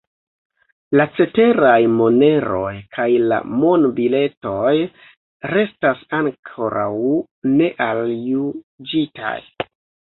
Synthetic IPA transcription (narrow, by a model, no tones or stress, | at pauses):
lat͡se̞te̞ɾajmo̞ne̞ɾo̞jkʰajla̰monbile̞to̞j | ɾe̞stasaŋkʰo̞ɾaw | ne̞ʔalju | d͡ʒita̰j